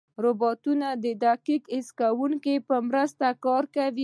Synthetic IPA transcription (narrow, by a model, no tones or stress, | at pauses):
ɾʊbɑt̪unad̪əd̪aqikɪskawuŋkepəmɾəst̪akɑɾkawi